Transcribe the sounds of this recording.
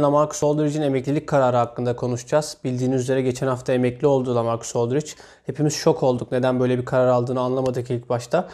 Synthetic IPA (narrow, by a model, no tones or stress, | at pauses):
namaɾku̥solˠd̪uɾid͡ʒine̞mɛclʲilʲic̚ʲkʰaɾaːɾɯɦakːɯnd̪akʰo̞nuʃd͡ʒaz̥bilʲd̪iːnizyze̞ɾɛɟe̞t͡ʃʰɛnhaft̪ʰaemɛclʲio̞lˠd̪uːlˠamaɾkʰo̥solˠd̪uɾit͡ʃ | he̞pʰimiz̥ʃo̞kʰo̞lˠd̪ukne̞d̪ænbøjlʲebikʰaɾaɾalˠd̪ɯːnɯanlˠamad̪ɯkilʲic̚baʃt̪ʰa